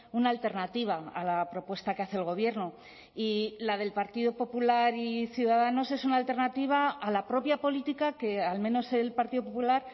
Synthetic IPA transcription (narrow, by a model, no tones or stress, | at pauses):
unaːlt̪e̞ɾnat̪iβ̞aa̰lapɾo̞pwe̞st̪akeaθe̞lɣ̞o̞β̞je̞ɾno | ilað̞e̞lpaɾt̪iðo̞po̞pulaɾiθjuðaðano̞se̞sunaːlt̪e̞ɾnat̪iβ̞aːlapɾo̞pjapo̞lit̪ikake̞almẽ̞no̞se̞lpaɾt̪iðo̞populaɾ